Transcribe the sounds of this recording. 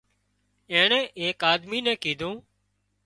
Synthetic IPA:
ẽːɳɛ̃ːʔeːkaːd̪miːnɛ̃ːkiːd̪ʱũː

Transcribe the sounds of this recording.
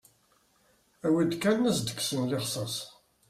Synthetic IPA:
æwid̪kːænnæsd̪ə̥kːsənlɪχsˤɑs

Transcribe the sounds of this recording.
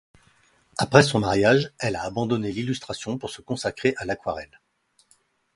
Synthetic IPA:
apχɛsɔ̃maʁjaʒɛlaːbɑ̃d̪ɔnelilyst̪χasjɔ̃puʁsəkɔ̃sakχeʔalakwaʁɛl

